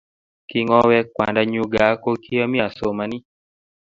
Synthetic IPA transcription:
ki˦ŋɔ˦wɛ˦kwa̰˨nda˦ɲu˦ɡa˨˦ko˦ki˦a˦mi˦a˨so˨ma˨ni˦

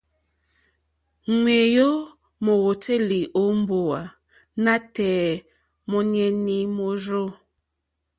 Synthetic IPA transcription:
ŋwe˨jo˦ | mo˨wo˨te˦li˨ʔo˨˦m˦bo˨wa˨ | na˦tɛ˨ | mɔ˦ɲɛ˦ni˦mo˦ɾo˦

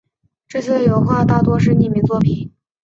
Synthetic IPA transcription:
ʈ͡ʂɤ˥˧ɕʰɛ˥˩ə˩jo˧˥ʊxwa˥˧t̪a˥˩t̪wɔ˥ʂɻ̩˥˧ni˥˩mi˨˩˥t͡swɔ˥˩pʰi˨˩˦n

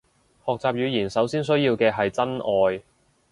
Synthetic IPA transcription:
hɔː˨k̚t͡saː˨p̚jyː˨˧jiː˨˩nsɐ˨˥wsiː˥nsɵ˥ɥjiː˧wkɛː˧ɦɐ˨jt͡sɐ˥nʔɔː˨˧j

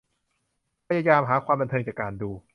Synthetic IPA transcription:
pʰa˧ja˧jaː˧mɦaː˩˦kʰwaː˧mba˧nt̪ʰɤː˧ŋt͡ɕaː˨˩kaː˧nduː˧

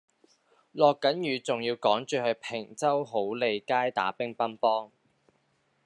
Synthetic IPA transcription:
lɔː˨kːɐ˨˥njyː˨˩t͡sʊ˨ŋjiː˧wkɔː˨˥ŋt͡ʃyː˨˧ɦɵ˨˧ɥpʰɪ˨˩ŋt͡sɐ˥wɦo˨˥wle˨˧jkaː˥jt̪a̰ː˨˥pɪ˥ŋpɐ˥npɔː˥ŋ

